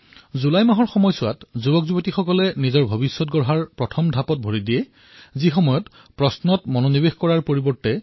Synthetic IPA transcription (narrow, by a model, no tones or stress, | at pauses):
zulajmaɦɔɹxɔmɔjsʊa̰tzubɔkzubɔtixɔkɔlɛnizɔɹbʱɔbisːɔt̚ɡɔɹɦaɹpɹɔtʰɔmdʱapɔt̚bʱoɹidijɛ | zixɔmɔjɔt | pɹɔsnɔtmɔnonibexkɔɹaɹpoɹibɔɹtɛ